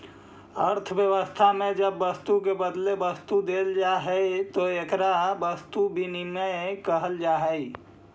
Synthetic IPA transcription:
əɾt̪ʰəbjəwəst̪ʰamẽd͡ʒəbːəst̪uk̬ebəd̪lebəst̪ud̪eːld͡ʒaɦɛit̪oekɾabəst̪ubʱiniməkəɦəld͡ʒaɦəi

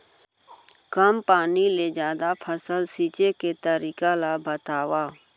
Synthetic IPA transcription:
kəmpaːnileːd͡ʒjaːd̪apʰəsəlsiːt͡ʃeket̪əɾiːkalabət̪aːʋaː

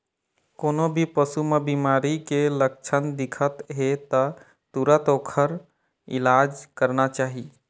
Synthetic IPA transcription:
koːnobʱipəsumebimaːɾikelək̚t͡ʃʰənd̪ɪkʰət̪ɦet̪ə | t̪uɾət̪oːkʰəɾ | ɪ̰laːd͡ʒkəɾnat͡ʃaːɦi

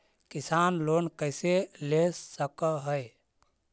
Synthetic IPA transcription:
kisanlonkəɪselesəkəɦəj

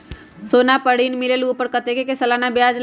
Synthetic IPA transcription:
soːnapəɽiːnmɪleluːpəɾkət̪ekekesɐlaːnabjaːd͡ʒl

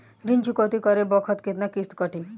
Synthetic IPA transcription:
ɾint͡ʃukɔt̪ikəɾebɔkʰət̪ket̪nakist̪kəʈʰi

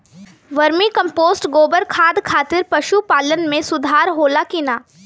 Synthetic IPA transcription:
ʋɐɾmikɐ̃mpoːsʈɡoːbəɾkʰaːd̪kʰaːt̪ɪɾpɐʃupaːlənmẽsʊd̪ʱaːɾɦoːlakinaː

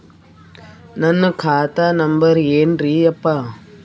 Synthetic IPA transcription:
nɐnːɨkʰaːt̪aːnɐmbɐɾeːndɾiɐpːa

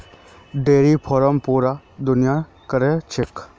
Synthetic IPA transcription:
ɖeːɾiːpʰɔːɾəmpuːɾaː | d̪ʊnɪja | kəɾet͡ʃʰɪk

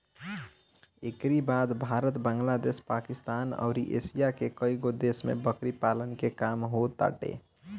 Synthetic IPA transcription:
ekɾibad̪bʱaɾət̪bãːŋɡlad̪espakist̪aːnə̰ʊɾiʔḛsijakekəiɡod̪esmḛbəkɾipalənkekamɦot̪a̰ːʈḛ

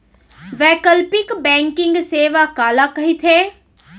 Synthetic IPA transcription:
ʋɛːkəlpikbɛ̃ŋkɪ̃ŋɡseːʋakaːlakəɦit̪ʰe

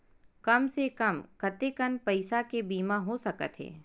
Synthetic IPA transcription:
kɐmsekɐmkɐt̪ekənpɐɪsakebiːmãɦosɐkə̰t̪ɦḛː

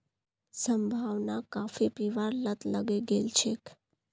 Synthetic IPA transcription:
səmbʱaʋnakafipiʋaɾlət̪ləɡeɡelt͡ʃʰek

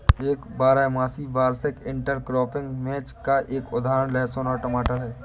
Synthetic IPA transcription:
eːkbaːɾamaːsibaːɾsɪkɪ̃ɳʈəɾkɾɔːpʰɪ̃ŋɡmɛ̃ːt͡ʃkaʔeːkʊd̪ʱaːɾəɳlɛːsoːnaʈəmaːʈəɦɛː

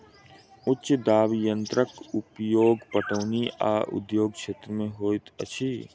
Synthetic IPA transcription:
ʊd̪aːʋijə̃nt̪ɾəkʊpjoːɡpəʈəʋniʔa̰ːʔʊ̰d̪joːɡ̚kʃeːt̪ɾəmẽɦoːɪt̪ɐ̰t͡ʃʰiː

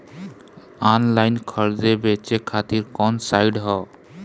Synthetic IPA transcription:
ɔnlajnkʰɔɾd͡ʑebet͡ʃekʰat̪iɾkɔnsajɖɦɔ

